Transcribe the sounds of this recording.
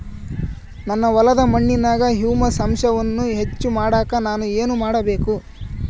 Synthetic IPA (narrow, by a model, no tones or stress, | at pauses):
nɐnːɐʋɐlɐd̪ɐmɐɳːinaːɡɐɦjuːmɐsɐmʂɐʋɐnːuɦe̞t͡ʃːumaːɽaːkɐnaːnue̞ːnumaːɽɐbe̞ːku